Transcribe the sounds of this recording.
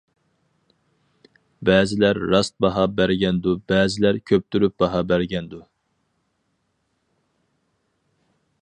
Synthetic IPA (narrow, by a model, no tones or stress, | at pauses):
bɛːzɪlæɾːɑst̪̚bɑɦɑbæɾɡʲɛnd̪ubɛːzɪlæɾkʲʰøp̚t̪ʰyɾyp̚bɑɦɑbæɾɡʲɛnd̪u